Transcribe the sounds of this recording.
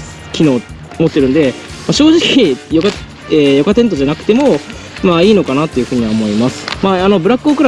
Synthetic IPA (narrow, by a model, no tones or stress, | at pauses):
kʲino̞ː | mo̞t̪ːeɾɯ̟nd̪e̞ | maɕo̞ːʑikʲijoka | eːjo̞kat̪ent̪̬o̞ʑanakɯ̟t̪e̞mo̞ | maiːno̞kanat̪ːo̞jiɯ̟ɸɯ̟ːɲ̟iβaomo̞imasɨ̥maano̞bɯɾakːɯokɯ̟ɾa